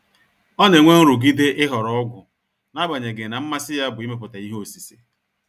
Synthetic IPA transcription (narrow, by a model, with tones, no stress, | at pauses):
ɔ˦ne˨ŋʷe˦ŋ̩˦ɾʊ˨ɡi˦de˦ʔɪ˦ɦɔ˨ɾɔ˦ɔ˦ɡʷʊ˨ | na˦ba˨ɲe˨ɡɪ˨na˨m̩˦ma˦sɪ˦ja˦bʊ˨i˦me˦p̬ʊ˨ta˨i˦ɦo˨si˨sḭ˨